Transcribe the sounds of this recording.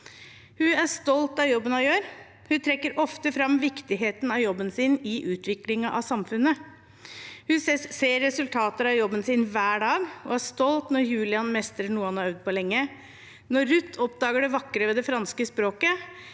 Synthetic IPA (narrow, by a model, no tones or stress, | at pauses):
hʉæʂt̪ɔlt̪ɑjɔbːənɑjøːɾ | hʉt̪ʰɾɛkːəɾʔɔft̪əfɾɑmʋɪkt̪ɪɦeːt̪n̩ɑjɔbːənsɪnɪʔʉːt̪ʰʋɪklɪŋɑʔɑ̰sɑmfʉnːə | hʉseːɾːɛsʉlt̪ʰɑːt̪əɾɑjɔbːənsɪnʋæːɖɑːɡɔæʂt̪ɔlt̪nɔɾjʉːlɪɑnmɛst̪ɾəɳuːɑnɔœʋd̪̚pɔlɛŋːə | nɔːʉt̪ʰːɔp̚d̪ɑːɡəɖɛʋɑkːɾəʋɛːd̪ɛfɾɑnskəspɾoːkə